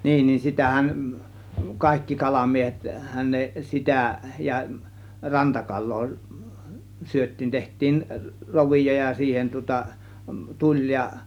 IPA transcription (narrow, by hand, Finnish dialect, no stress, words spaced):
niːn ni sitæhæn kɑˑe̝kːi kɑlɑmiehethæn ne sitæ jɑ rɑntɑkɑlˑoː syøtˑiːn tehtˑiːn roʋijo jɑ siːhen tŭŏtɑ tulʲ jɑ